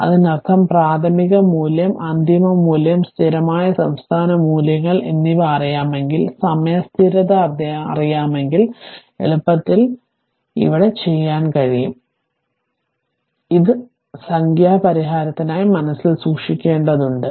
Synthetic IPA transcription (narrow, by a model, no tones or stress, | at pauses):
ɐ̰ðɨnɐrt̪ʰːɐmpraːt̪ʰɐmiɣɐmuːljɐmʔɐnd̪imɐmuːljɐmst̪ʰiɾɐmaːjɐsɐmst̪ʰaːnɐmuːljɐŋːɐɭʔenːiʋarɐjaːme̞ŋɡilsɐmjast̪ʰiɾɐðɐrd̪̰rijaːme̞ŋɡil | ḛɭupːɐt̪ːil | ḭʋiɽe̞t͡ɕe̞jːaːnkɐɻijum | iðɨ | sɐŋɡjaːpɐɾiɦaːɾɐt̪ːinaːjimɐnɐsːilsuːkʂikʲːe̞ːɳɖɐðuɳɖɨ